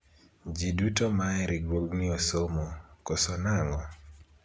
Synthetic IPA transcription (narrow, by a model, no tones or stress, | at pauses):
d͡ʒidutomaɛɾiɡwoɡnɪosomokosonaŋɔ